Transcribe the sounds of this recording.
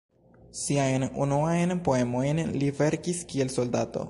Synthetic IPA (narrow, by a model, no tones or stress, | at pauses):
siajnṵnuajnpo̞e̞mo̞jnlive̞ɾkiskie̞lso̞ldato̞̰